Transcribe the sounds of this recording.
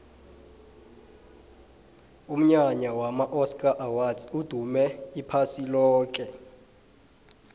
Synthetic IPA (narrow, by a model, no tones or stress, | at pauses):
um̩ɲaɲawamaʔɔskʼaʔawazud̥ʱumɛipʰasilɔːk̬ʼɛ